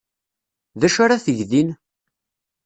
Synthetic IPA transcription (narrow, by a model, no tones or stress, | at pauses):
ðæʃaɾaθəʝðin